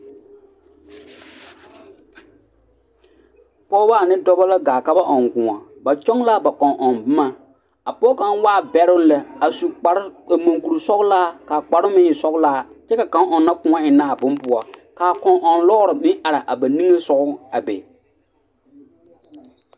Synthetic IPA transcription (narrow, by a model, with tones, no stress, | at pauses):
pɔː˦baː˦˨nɪ˦dɔ˦ba˦la˦ɡaː˨ka˦ba˦ʔɔ˨ŋɡʊ˨ŋa˨ba˨t͡ʃɔ˦ŋla˦ba˨kɔ˨ŋʔɔ˨nbɪ˦ma˦ | a˨pɔː˦ka˨n˦waː˦˨bɛ˦ɾʊ˦n˦lɛ˨a˨su˨˦ɾmo˨ŋku˨ɾu˨sɔ˦ɡlaː˦kaː˨k͡pa˨ɾʊ˦mɪ˦ɲ˨sɔ˦ɡlaː˦t͡ʃɛ˦ka˨kã˨˦ŋʔɔ˨nːa˦kʊ˨ŋa˦ɪ˨na˦˨a˨bʊ˦mpʊ˨a˨kaː˨kɔ˨ŋʔɔ˨nlɔ˦ɣʊ˦ɾɪ˨mɪ˦ŋʔa˨ɾa˨ʔa˨ba˨nĩ˦ŋe˦sɔ˨ɣʊ˦a˨bḛ˨